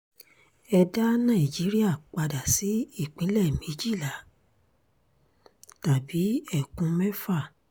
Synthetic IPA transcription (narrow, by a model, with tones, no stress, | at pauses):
ɛ˧da˦nã˦˨i˨d͡ʒi˨˦ɾi˦a˦˨k͡pa˧da˨si˨˦i˦˨k͡pĩ˨˦lɛ˦˨mĩ˨˦d͡ʒi˦˨la˨˦ | ta˨bi˨˦ɛ˦˨kũ˧˦mɛ˦fa˦˨